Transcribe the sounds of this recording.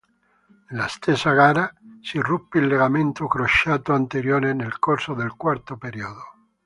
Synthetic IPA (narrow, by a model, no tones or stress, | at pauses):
last̪esaɣaɾasirupːelːeɣamẽnt̪okɾoʃat̪oant̪eɾjoɾenelkoɾsoðelkwaɾt̪opeɾioðo